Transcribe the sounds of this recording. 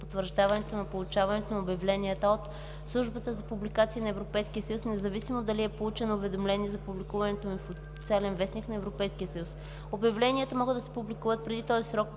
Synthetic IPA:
pot̪vəɾʒd̪avɐnɛt̪onɐpolˠut͡ʃavɐnɛt̪onɐobjɐvlɛniət̪əot̪ | slˠuʒbət̪əzɐpublikat̪siinɐɛvɾopɛjskiəsəjusnɛzɐvisimod̪ɐliɛpolˠut͡ʃɛnoːvɛd̪omlɛniɛzɐpublikuvɐnɛt̪omifo | t̪sɛlɛnvɛsnʲiknɐɛvɾopɛjskijəsɐjus | obʲjɐvlɛnʲiət̪əmɔɡəd̪ɐsɛ̥publikuvət̪̚pɾɛd̪it̪ɔzisɾɔk̚

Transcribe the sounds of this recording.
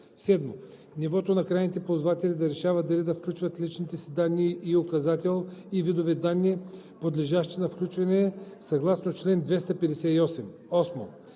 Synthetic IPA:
sɛd̪mo | nivɔt̪onɐkɾajnit̪ɛpozvat̪ɛlʲid̪ɐɾɛʃavɐd̪ɐlid̪ɐfklʲut͡ʃvɐt̪lit͡ʃnit̪ɛsid̪anːiːokɐzat̪ɛlˠivid̪ovɛd̪anːi | pod̪lɛʒaʃt̪inɐfklʲut͡ʃvɐnɛsɐɡlˠasnot͡ʃlɛnd̪vɛst̪ɐpɛd̪ɛsɛiɔsɛm | ɔsmo̰

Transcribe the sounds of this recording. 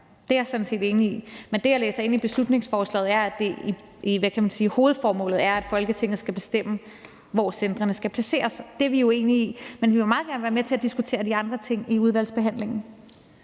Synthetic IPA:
d̥e̝æɐsɔ̽dnse̝̰ːd̥e̝ːniimend̥e̝jɑ̈lḛːsɐe̝n̰ib̥e̝slud̥ne̝ŋsfɒːslɛ̰ːð̩ˠæɐæd̥e̝i | iʋækʰæmænsiːho̝ːð̞̩ˠfɒːmɔ̰̽ːlð̩ˠæɐæd̥fɒ̽lɡ̥ət͡sʰe̝ŋ̰ð̞̩ˠsɡ̥æb̥e̝sd̥em̰ə | ʋɒsend̥ʁɐnəsɡ̥æpʰlæse̝̰ːɐsd̥eɐʋijo̝e̝ːniimenʋiʋe̝mɑ̈ːð̩ˠɡæɐnəʋæɐmet͡sʰe̝æd̥isɡ̥ut͡sʰe̝̰ːɐd̥iɑ̈nd̥ʁɐt͡sʰe̝ŋ̰iuð̞ˠʋæl̰sb̥e̝ɦæn̰le̝ŋ̰n̩

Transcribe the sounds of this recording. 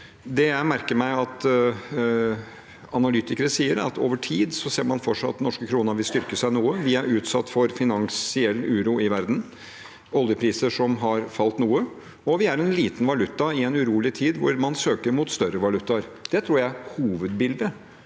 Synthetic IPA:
d̪ɛjæɪmæɾkəɾmæɪɑt̪ | ɑnɑlʏt̪ɪkəɾəsiːəɾɑ̰t̪ʰo̰ːʋəʈʰiːd̪sɔseːɾmɑnfɔʈʂɑt̪ːnɔʂkəkʰɾuːnɑʋɪlst̪ʏɾkəsæɪnuːəʋɪæɾʉːt̪sɑt̪ːfɔɾfɪnɑŋsɪɛlːʉːɾuɪʋæɾd̪n̩ | ɔljəpʰɾiːsəʂɔmɦɑɾfɑlt̪nuːə | ɔʋɪæɾɛnliːt̪nʋɑlʉt̪ːɑɪɛnʉɾuːlɪt̪ʰiːd̪ʋʊɾmɑnsøːkəɾmʊt̪st̪œɾəʋɑlʉt̪ːɑɾd̪̥ɛt̪ʰɾuːɾjæɪhuːʋəd̪bɪld̪ə

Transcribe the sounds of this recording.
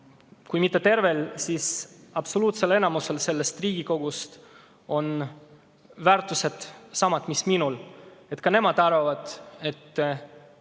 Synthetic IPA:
kujmit̪ːe̞t̪e̞rve̞lsisɑb̥so̞luːt̪se̞le̞nɑmuse̞lse̞lːe̞st̪riːɡ̥iko̞ɡ̥ust̪ | o̞n | væːɾt̪ːˑuse̞d̪̥sɑmɑt̪misminule̞t̪kɑne̞mɑd̪̥ɑɾvɑvɑd̪̥e̞t̪ː

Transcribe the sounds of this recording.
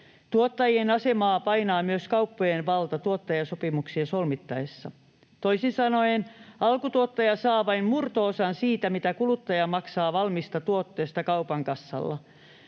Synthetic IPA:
t̪uot̪ːɑjienɑsemɑːpɑinɑːmyøskɑupːojenʋɑlt̪ɑt̪uot̪ːɑjɑsopimuksiɑsolmit̪ːɑesːɑ | t̪oisinsɑnoenɑlkut̪uot̪ːɑjɑsɑːʋɑimmurt̪oːsɑnsiːt̪æmit̪ækulut̪ːɑjɑmɑksɑːʋɑlmist̪ɑt̪uot̪ːeːst̪ɑkɑupɑŋkɑsːɑ̰lːɑ̰

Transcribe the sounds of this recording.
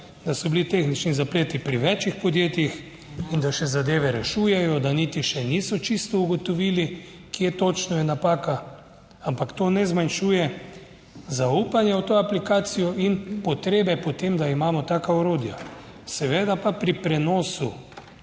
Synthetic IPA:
d̪asɔblit̪exnit͡ʃnizapleːt̪ipɾiʋɛt͡ʃjixpɔd̪jeːt̪jix | ind̪aʃɛzad̪eːʋɛɾɛʃuːjɛjɔd̪anit̪iʃɛniːsɔt͡ʃist̪ɔuɡɔt̪ɔʋiːli | kjet̪ot͡ʃnɔjɛnapaːka | ampakt̪oːnɛzmanʃuːjɛ | zauːpanjɛwt̪oːaplikaːt̪sijɔʔinpɔt̪ɾeːbɛpɔt̪emd̪aimaːmɔt̪aːkaɔɾoːd̪ija̰ | sɛʋeːd̪apapɾipɾɛnoːsu

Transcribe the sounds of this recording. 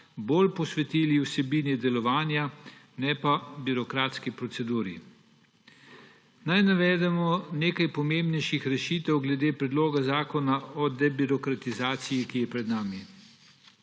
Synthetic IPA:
boːlpɔsʋɛt̪iːliwsɛbiːnɛd̪ɛlɔʋaːnja | nɛpabiɾɔkɾaːt̪skipɾɔt̪sɛd̪uːɾḭ | najnaʋɛːd̪ɛmɔneːkajpɔmeːmbnɛjʃixɾɛʃiːt̪ɛwɡlɛd̪eːpɾɛd̪loːɡazaːkɔnaɔd̪ɛbiɾɔkɾat̪izaːt̪sijikijɛpɾɛd̪naːmi

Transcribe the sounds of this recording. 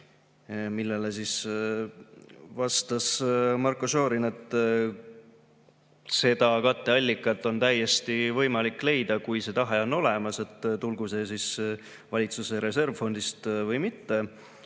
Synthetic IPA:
milːe̞le̞sis | vɑst̪ɑsmɑrkːˑoso̞ːɾine̞t̪ːˑ | se̞d̪̥ɑkɑt̪ːe̞ɑlʲːikːˑɑt̪ːˑo̞nt̪æjːe̞st̪ivɤ̞jmɑlikːˑle̞jd̪̥ɑkujse̞t̪ɑɦeo̞nːo̞le̞mɑse̞t̪ːˑt̪ulɡuse̞sis | vɑlʲit̪suseɾe̞se̞rvfo̞nd̪ist̪vɤjmit̪ːe̞

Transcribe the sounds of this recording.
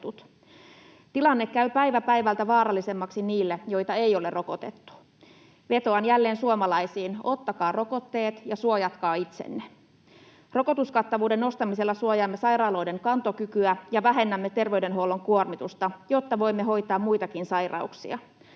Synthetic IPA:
t̪ut̪ | t̪ilɑnːekːæypæjʋæpæjʋælt̪æʋɑːɾɑlːise̞mːɑksiniːlːejo̞jt̪ɑejo̞lerʔo̞ko̞t̪et̪ːu̥ | ʋe̞t̪o̞ɑnjælːe̞ːnsuomɑlɑjsiːno̞t̪ːɑkɑːro̞ko̞t̪ːe̞ːt̪jɑsuojɑt̪kɑːit̪sḛnːe | ro̞ko̞t̪uskɑt̪ːɑʋuːde̞no̞st̪ɑmise̞lːɑsuojɑːmːesɑjrɑːlojde̞ŋkɑnt̪o̞kykyæjɑʋæɦe̞nːæmːet̪e̞rʋe̞yde̞nɦolo̞ŋkuormit̪ust̪ɑjo̞t̪ːɑʋo̞imːeɦo̞jt̪ɑːmmujt̪ɑkinsɑjrɑ̰uksḭɑ̰

